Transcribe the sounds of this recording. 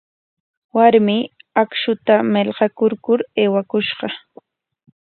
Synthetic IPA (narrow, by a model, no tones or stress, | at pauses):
waɾmɪakʃʊt̪amelɢɑkʊɾkʊɾeːwakʊʃɢɑ